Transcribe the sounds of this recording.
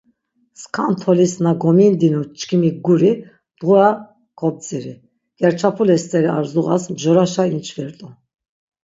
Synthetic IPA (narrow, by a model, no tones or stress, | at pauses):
skʰant̪ʰɔlisnaɡɔmind̪inut͡ʃʼkʰimiɡuɾi | d̪̥ʁua | kʰɔb̚t͡sʼiɾi | ɡ̥ɛɾt͡ʃʰapʰulɛst̪ʼɛɾiaɾzuʁa̰sbʒɔɾaʃaint͡ʃʰvɛɾt̪ʼu